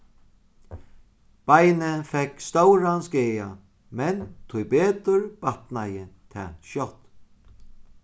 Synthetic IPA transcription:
b̥ajnɪfɛkst̪owɾanskeːja | mɛnt̪ʰʊjbeːt̪ʏɹbat̪najɪt̪ʰɛ̰ːʃjɔt̪

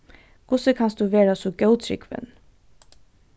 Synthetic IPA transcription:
kʰʊsəkʰɑnsd̪ʉːʋeːɾasɔɡœʊt̪ʰɾʏ̰kʋə̰n

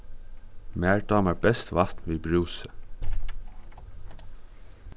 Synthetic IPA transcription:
mæːɹd̪ɑːmæɹbɛst̪ʋat̪nʋiːbɹuːsə

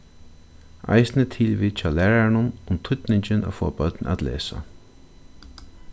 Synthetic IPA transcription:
a̰jsnət̪ʰɪlʋiːt͡ʃʰawlɛːɹaɳʊnʊmt̪ʰʊt̪nɪɲt͡ʃɪnʔa̰fɔːapœt̪na̰t̪lḛːsa̰

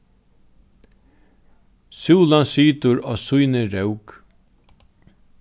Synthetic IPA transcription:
sjuːlansyːt̪ʊɾɔːsujnɪɾœwk

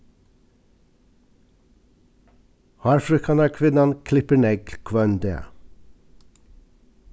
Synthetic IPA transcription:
hɑɾfɾøkʰɑnæːkʰʋɪnɑnkʰlɪpəɳɛɡkʰʋɑːnd̪ḛː

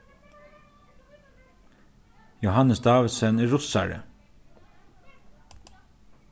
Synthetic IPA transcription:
jʊhɑnəsd̪ɑːʋɪd̪səneːɹʊsæ̰ɹə̰

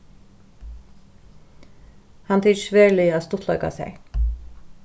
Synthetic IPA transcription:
hɑnt̪ʰiːʃʋeːɹlɪaːst̪ʊt̪lœʏka̰sɛ̰

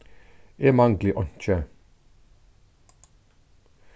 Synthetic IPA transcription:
eːmɑŋɡlɪʔɔnçə

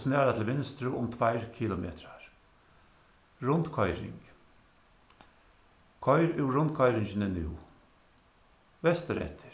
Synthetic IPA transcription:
sneːɾat̪ʰɪlʋɪnst̪ɾʉʔʊmt̪ʰʋæɪɾkʰɪlʊmḛːt̪ɾɑɾ | ɾʊnd̪kʰɔʏɾɪ̰ŋɡ̥ | kʰɔɪɾʉːɾʊnt̪kʰɑɪɾɪŋçənɛnjʉ̰ː | ʋɛst̪əɾɛ̰t̪ʰə̥ɾ

